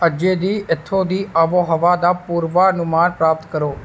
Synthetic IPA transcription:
əd͡ʒeːd̪iːʔɪt̪ʰːõːd̪iːʔəʋoːɦəʋaːd̪aːpuːɾʋaːənʊmaːnpɾaːp̚t̪kəɾoː

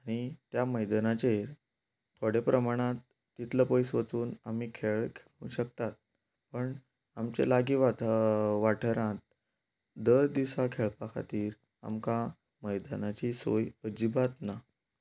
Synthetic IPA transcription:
aɽ̃it̪jaməjd̪ənat͡ɕeɾ | t̪ʰoɽepɾəmaɽ̃ãt̪ː | it̪ləpəjsʋət͡suːnam̤iːkʰeɭkʰeɭũɕəkt̪at̪̚ | pəɳ | amt͡ɕḛlaɡiːʋaʋaʈʰəɾãt̪̚ | d̪əɾd̪isakʰeɭpakʰa̰t̪iːɾ | a̰mka | məjd̪ənat͡ɕiːsojəd͡ʑibat̪na

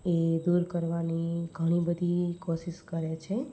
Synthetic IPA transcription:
ed̪uɾkəɾʋaniɡʱəɽ̃ibəd̪ʱikoʃiʃkəɾet͡ʃʰe

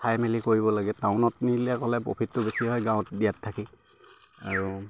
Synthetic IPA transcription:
pʰajmelikoɹibɔlaɡɛtaʊnɔtniliakɔlɛpo̰pʰitːʊbesiɦɔjɡãw̃tdijatʰːaki | aɹu

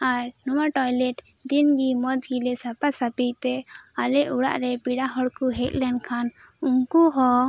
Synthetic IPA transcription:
aɾnuwaʈɔjlɛʈd̪inɡimɔd͡ʒɡilɛsapasapijt̪ɛ | alɛʔuɽa̰ʔɾɛpiɽaɦɔɽkuɦɛt̪̚lɛnkʰanuŋkuɦɔ

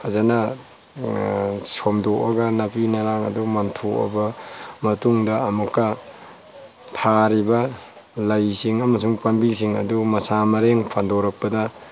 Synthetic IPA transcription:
kʰazanɐ | somdoʔɐɡɐnɐpinɐɾaŋɐ̰dumɐntʰoʔɐ̰bɐmɐtuŋdɐɐmukːɐ | tʰaɾibɐ | lɐjsiŋɐmɐs̬uŋpɐnbisiŋɐ̰dumɐsamɐɾeŋpʰandoɾɐk̚pɐdɐ

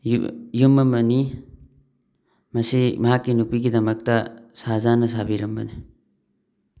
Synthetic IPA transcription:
j̰jumːɐmbɐni | mɐsimakːinupikid̪ɐmɐk̚t̪asaːzaːnɐs̬aːbiɾɐmbɐ̰ni

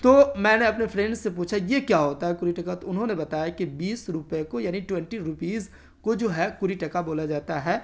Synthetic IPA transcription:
t̪oːmɛ̃ːneɐpnefʰɾɛ̃ɳɖsepuːt͡ʃʰajekjaɦoːt̪aɦɛkʊɾiʈɐkat̪oʊnɦõnebɐt̪aːjakibiːsɾʊpekojaːniʈwɛ̃ɳʈiɾʊpiːz | kod͡ʒoːɦɛkʊɾiʈɐkaboːlad͡ʒaːt̪aɦɛː

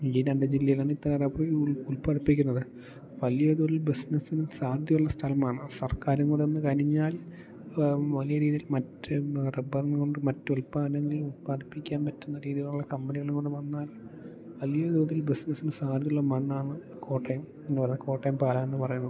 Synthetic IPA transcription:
inɐɳɖɨd͡ʑilːɐjilaːɳɨit̪ːɐnereboːjulpaːɽipːik̬ʲːunːɐðɨ | ʋɐlijɐd̪oːðilbisnɐsinɨsaːrd̪jɐjuɭːɐst̪ʰɐlɐmaːɳɨsɐrkaːɾuŋɡoɳɖeenːɨkɐɾiɲːaːl | ʋɐlijɐɾiːðijilmɐtːɨrebɐrnko̞ɳɖɨmɐtːɨulpːaːnɐŋːɐilulpaːɽipːikʲːaːnpɐtːunːɐɾiːðiɣɐɭuɭːɐkɐmbɐniɣɐɭuŋɡoɳɖuʋɐnːaːl | ʋɐlijɐd̪oːðilbisnɐsinɨsaːrd̪ɐjuɭːɐmɐɳːaːɳɨ | kʰo̞ːʈːɐjum | enːɨpɐɲːɐko̞ːʈːɐjumpaːlɐme̞nːɨpɐrɐjunːɐð

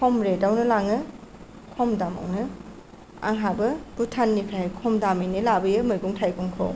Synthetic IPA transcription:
kʰɔmɾedawnɯlaŋɯ | kʰɔmdama̰wnɯ | a̰ŋɦabɯb̥utʰanːikʰajjkʰɔmdamijnilabɯjɯmɯjɡuŋtʰajɡuŋkʰɔ̰

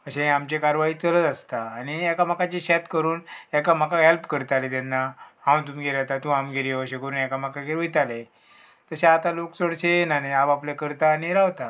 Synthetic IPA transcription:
əɕẽamt͡ɕekaɾʋaiːt͡sələt̪ast̪aːñiɛkamakat͡ɕiɕɛt̪kəɾuːnɛkam̤akaɦelpkəɾt̪alet̪ɛnːahãwt̪umɡʱeɾat̪at̪ũamɡʱeɾiəɕẽkəɾuːnɛkam̤akaɡeɾujt̪ale | t̪əseat̪alokt͡səɽt͡senanaabaplekəɾt̪aneɾaʋt̪a

